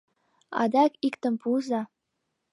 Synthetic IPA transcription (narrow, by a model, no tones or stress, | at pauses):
ɑ̰d̪ɑkikt̪ə̆mpʰuzɑ